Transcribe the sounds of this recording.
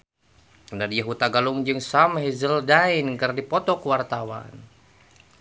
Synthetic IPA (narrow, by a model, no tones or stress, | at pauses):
nadijaɦut̪aɡaluŋd͡ʒɨŋsamhizəldainkɨrdipɔt̪ɔkwart̪awa̰n